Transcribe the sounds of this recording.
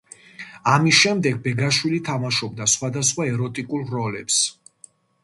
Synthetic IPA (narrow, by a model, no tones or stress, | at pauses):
amisʃɛmd̪ɛɡ̚bɛɡaʃwilit̪ʰamaʃɔb̚d̪asχwad̪asχwaɛɾɔt̪ʼikʼulˠɾɔlɛps